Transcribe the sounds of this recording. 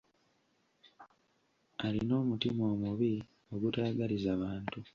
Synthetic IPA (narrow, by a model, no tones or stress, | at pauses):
alino̞ːmutimo̞ːmuβi | o̞ɡutaːɡalizaβaːntu